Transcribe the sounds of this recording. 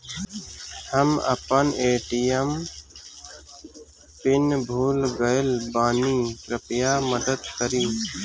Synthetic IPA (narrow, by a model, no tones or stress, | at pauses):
həmə̰pəneːʈijəm | pɪnbʱuːlɡəlbaːniːkɾɪpjaːməd̪əd̪kəɾĩː